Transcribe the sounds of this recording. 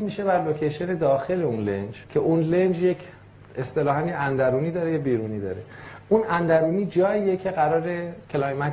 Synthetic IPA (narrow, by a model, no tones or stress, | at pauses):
miːʃe̞bæɾlo̞cʰejʃe̞ne̞d̪ɒːxe̞leunlḛnd͡ʒcʰe̞ʔunlend͡ʒjecʰ | est̪e̞lɒːɦæmjeænd̪æɾuːniːd̪ɒːɾejebiːɾuːniːd̪ɒ̰ːɾe̞unʔænd̪æɾuːniːd͡ʒɒːiːjecʰe̞ɣæɾɒːɾe̞cʰelɒjmæ